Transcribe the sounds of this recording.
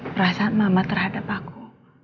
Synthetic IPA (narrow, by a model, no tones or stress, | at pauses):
bəɾasanmamat̪ərhadapakʰu